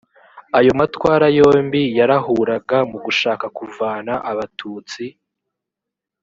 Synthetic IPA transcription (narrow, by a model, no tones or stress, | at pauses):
ajo̞matwaːɾajo̞ːmbijaɾaɦuːɾaɡamuɡuʃaːkakuvaːnaʔaβatʰuːt͡si